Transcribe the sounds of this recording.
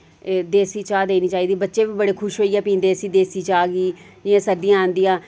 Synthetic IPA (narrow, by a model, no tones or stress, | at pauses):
d̪eːsiːt͡ʃaːd̪eːniːt͡ʃaːiːd̪iːbətːʃeːʋiːbəɽeːkʰʊʃɦoːiɛːpĩːnd̪eːsiːd̪eːsiːt͡ʃaːɡiː | d͡ʒɪãːsəd̪ɪjãːãːnd̪ijãː